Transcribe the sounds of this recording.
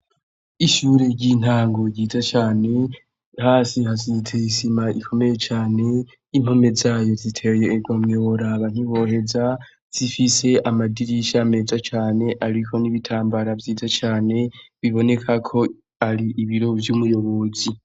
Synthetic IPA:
iʃuɾe̞ɟiːn̥aːŋɡo̞iːzat͡ʃaːne̞ | haːsiɦasitʰeisimaʔikʰo̞me̞je̞t͡ʃaːne̞ | im̥ho̞me̞zaːjo̞zitʰe̞jeːɡomŋewoɾaβan̥iβo̞ɦe̞za | z̥ifise̞ʔamadiɾiʃame̞ːzat͡ʃaːne̞ʔaɾikʰo̞niβitʰaːmbaɾavjiːzat͡ʃaːne̞βiβo̞ne̞kʰakʰo̞ | aɾiʔiβiɾo̞vjuːmujo̞βo̞zi

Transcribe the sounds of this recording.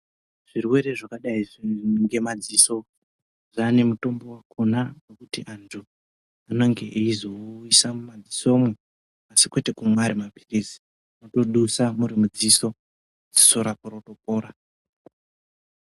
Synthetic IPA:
ʐ̥irwe̞ɾe̞ʐakaɗaiʐiŋɡe̞mad͡ziso̞ | ʐane̞muto̞mbo̞wakʰonanekutiʔantʰu | ano̞ŋɡe̞ʔiizo̞wisamumad͡ziso̞mwe | asi̥kwe̞te̞kumwaɾimapirisi̥ | ano̞to̞ɗusamuɾimud͡ziso̞ | d͡zi̥so̞ɾapoɾoto̞p̚o̞ːɾa

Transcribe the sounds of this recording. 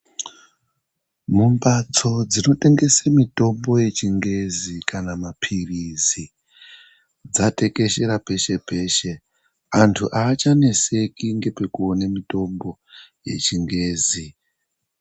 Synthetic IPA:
mumbat͡so̞d͡zino̞te̞ŋɡe̞semito̞mbo̞je̞t͡ʃiŋɡe̞zikʰanamapʰirizi | d͡zate̞ke̞ʃe̞ɾape̞ʃe̞pe̞ʃe̞ | antʰuʔaːt͡ʃane̞se̞kiŋɡe̞pekuonemito̞mbo̞ | je̞̰t͡ʃiŋɡe̞ːzi

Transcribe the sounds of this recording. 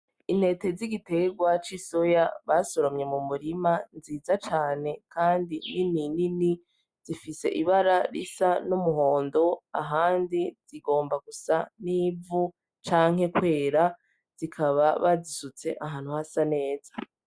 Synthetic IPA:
in̥e̞ːte̞ziɡite̞ɡwat͡ʃiso̞jaβaso̞ɾomɲe̞mumuɾimanziːzat͡ʃaːne̞kʰaːndinininini | z̥ifise̞̰ʔiβaɾaɾḭsanumuɦo̞ːndo̞a̰ɦaːndiz̥iɡo̞ːmbaɡusaniːvu | t͡ʃaːŋ̥e̞kwe̞ːɾa | z̥ikʰaβaβazisut͡se̞ʔaɦaːn̥huhasane̞ːz̥ḁ

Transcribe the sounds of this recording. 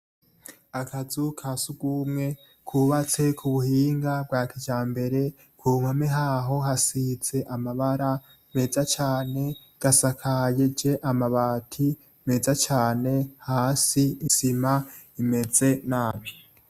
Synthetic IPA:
akʰazukʰasubɡumŋe̞ | kʰuβat͡se̞kʰuβuhiːŋɡab̚ɡwaːkid͡ʒaːmbe̞ɾe̞ | kuːmameɦaːɦo̞ɦasiz̥e̞ʔamaβaɾa | me̞ːzat͡ʃaːne̞ | ɡ̥asakʰajed͡ʒe̞ʔamaβaːtʰi | me̞ːzat͡ʃaːne̞haːsiisima | ime̞ze̞naːmi

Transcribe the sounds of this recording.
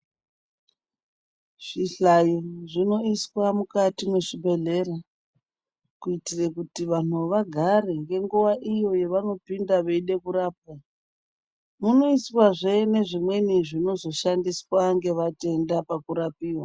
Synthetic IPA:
ʐ̥iɬajiʐino̞iswamukatimwe̞ʂibʱe̞ɮe̞ra | kuitirekutiʋanuʋaɡʱareŋɡe̞ŋɡuʋaʔijo̞je̞ʋano̞pindaʋe̞iɗe̞kuɾaːp̚a | muno̞iswaʐe̞ne̞ʐimwe̞niʐino̞zo̞ʃandiswaŋɡe̞ʋate̞ndapakuɾapiːwa

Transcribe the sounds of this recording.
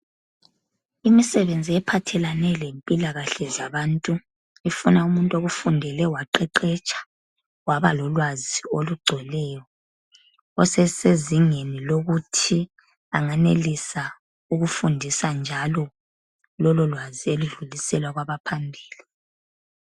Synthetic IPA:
imisɛβend͡zʱiɛpʰatʰɛlanɛlempʼilaɣaɬɛzaβantʼu | ifunaumuntʼoɣufundʱɛlɛwaǃɛǃɛt͡ʃʼḁ | waβalɔlwazioluɡ͡ǀʱɛlɛːjɔ | ɔsɛseziŋeniloɣutʰi | aŋanelisa | uɣufundʱisand͡ʒʱalɔ | lɔlɔlwazieluɮulisɛlwaɣwaβapʰambʱiːli

